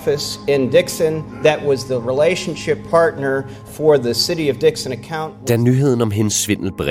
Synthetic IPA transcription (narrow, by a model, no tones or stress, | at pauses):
fɨsɪ̃ndɪksɨ̃nðɨʔ̚wʌzðəɹileɪʃɨ̃n̩ʃɪpʰɑɹtⁿnə˞ | fə˞ðɨsɪɾiʌvdɪksɨ̃nɨkʰãʊ̃nd̥ænyɦe̝ð̞̰ˠən̩ɒ̽mɦensːʋen̰l̩b̥ʁɛ